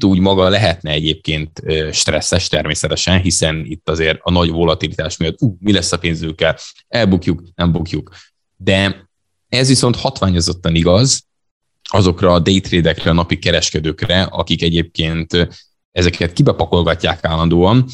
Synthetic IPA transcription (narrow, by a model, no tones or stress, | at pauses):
t̪uːɟmɒɡɒlɛɦɛt̪nɛɛɟeːp̚keːnt̪øʃt̪rɛsːɛʃt̪ɛrmeːsɛt̪ɛʃɛnɦisɛnit̪ːɒzeːɾɒnɒɟvo̞lɒt̪ilit̪aːʃmijɒt̪ːuːmilɛsːɒpeːnzykːɛl | ɛlbukjuknɛmbukjuk | d̪ɛ | ɛzʋiso̞nt̪hɒt̪ʋaːɲo̞zo̞t̪ːɒniɡɒz | ɒzo̞krɒːd̪ejt̪reːd̪ɛkrɛnɒpikɛɾɛʃkɛd̪øːkrɛʔɒ̰kikɛɟeːp̚keːnt̪ | ɛzɛkɛt̪̚kibɛpɒko̞lɡɒcːaːkaːlːɒnd̪oːɒn